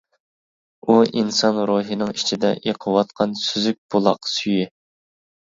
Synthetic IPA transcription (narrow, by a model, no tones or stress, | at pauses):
uinsɑnɾoɦinɨŋit͡ʃʰid̪ɛ̰ʔeqʰəwɑt̪qʰɑnsyzyk̚ʲb̥olˠɑ̰qsyji